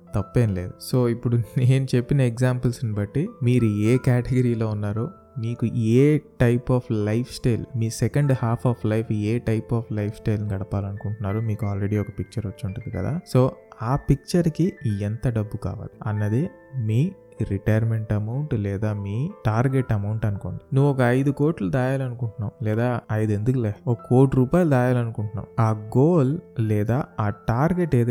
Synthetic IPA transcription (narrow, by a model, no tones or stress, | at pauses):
t̪ɐpːeːnile̞ːd̪uso̞ːipːuɽuneːnut͡ʃe̞pːinɐekzaːmpɐlsnibɐʈːimiːɾueːkaːʈeɡɐɾiːlo̞ːunːaːɾoː | miːkueːʈɐjpaːpʰlɐjpʰsʈɐjlmiːsekɐɳɖhaːpʰaːpʰlɐjpʰeːʈɐjpaːpʰlɐjpʰsʈɐjlniɡɐɽɐpaːlɐnukuɳʈunːaːɾumiːkuaːlɾe̞ɽiːɔkɐpik̚t͡ʃɐɾʋɐt͡ʃːuɳʈund̪ikɐ̰d̪a̰ːso̞ːaːpik̚t͡ʃɐɾkient̪ɐɖɐbːuka̰ːʋa̰ːliɐnːɐd̪i | miː | ɾiʈɐjɐɾme̞ɳʈɐmɐwɳʈlɛːd̪aːmiːʈaːɾɡeʈːɐmɐwɳʈɐnuko̞ːnd̪inuʋːuɔkɐɐjd̪uko̞ːɾʈlɐd̪aːjaːlɐnukuɳʈunːaːmlɛːd̪aːɐjd̪e̞nd̪ukleːɔkɐkoːʈuɾuːpaːjlɐd̪aːjaːlɐnukuɳʈunːa̰ːwaːɡoːllɛːd̪aːaːʈaːɾɡeʈeːd̪